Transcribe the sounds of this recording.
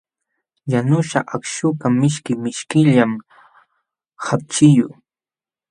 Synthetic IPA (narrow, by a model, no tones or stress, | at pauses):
janʊʃaʔakʃʊkamɪʃkɪmɪʃkɪʎam | hap̚t͡ʃɪjʊ